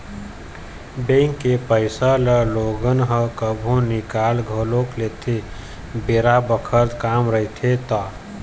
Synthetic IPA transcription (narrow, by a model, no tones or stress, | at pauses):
bẽŋkːepəɪsaləloɡənɦəkəbʱũnikalɡʱəloklet̪ʰe | beɾabəkʰəɾt̪kaːmɾəɦit̪ʰet̪a